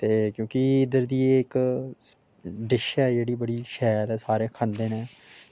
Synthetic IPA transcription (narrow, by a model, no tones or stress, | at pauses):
t̪eːkjõːkiɪd̪əɾd̪iːeɪk | ɖɪʃɛːd͡ʒeːɽiːbəɽiːʃɛːlːsaːɾeːkʰãnd̪eːneː